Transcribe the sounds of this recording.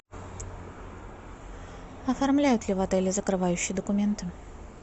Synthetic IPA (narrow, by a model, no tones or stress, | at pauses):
ɐfɐrmlʲæjʊt̪lʲɪvɐt̪ɛlʲɪzəkɾɨvajʉɕːɪjəd̪əkʊmʲe̞nt̪ɨ